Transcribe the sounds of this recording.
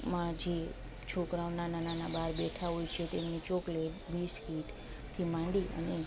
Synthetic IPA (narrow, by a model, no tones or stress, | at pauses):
mãd͡ʒe | t͡ʃʰokɾaʋnanananabaɾbɛʈʰaɦojt͡ʃʰet̪emnit͡ʃokleʋiskiʈ | t̪ʰimãɳɖiʔə̰ne